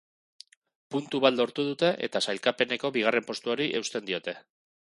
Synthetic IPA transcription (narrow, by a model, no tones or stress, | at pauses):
punt̪uβald̪o̞ɾt̪uð̞ut̪e̞ʔe̞̰t̪asajlkape̞ne̞ko̞βiɣ̞are̞mpo̞st̪uo̞ɾiʔe̞wst̪e̞nd̪io̞t̪e̞